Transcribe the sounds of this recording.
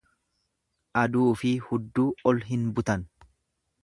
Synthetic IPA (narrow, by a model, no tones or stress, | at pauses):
ʔɐd̪uːfɪhʊd̪ːuːɔlɦɪnbʊt̪ɐn